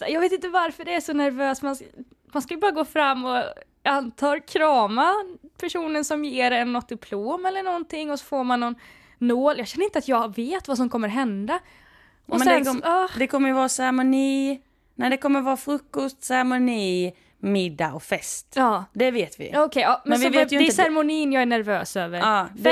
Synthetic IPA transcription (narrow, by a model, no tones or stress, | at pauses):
jɑːɡveːt̪ɪnt̪̬əvaɾfœɖɛæʂɔnæɾvøːsman | manskajʏbɑːɾaɡoːfɾamːɔ | ant̪ʰɑːɾkʰɾɑːmapʰæʂuːnənsɔmjeːɖɛɛnːɔt̪̚d̪ɪpʰloːmɛlːəɳɔnt̪ʰɪŋːɔsɔ̥foːɾmanːɔnː | oːljɑːɡɕɛnːəɾɪnt̪əat̪jɑːveːt̪vas̬ɔmkʰɔmːəɾɦɛnd̪a | ɔmɛsɛdɛnɑːd̪ɛkʰɔmːəjəvɑːasɛɾmʊniː | næɖɛkʰɔmːəɾvɑːɾfɾɵkːɔst̪sæɾmʊniː | mɪd̪ːaʔɔkfɛst̪ɑːd̪ɛveːt̪vɪ̰ɔkʰɛjɑːmɛɔveːt̪j̪ɛsɛɾmʊniːnjɑːɡæɳæɾvøːsøːvəɾɑːd̪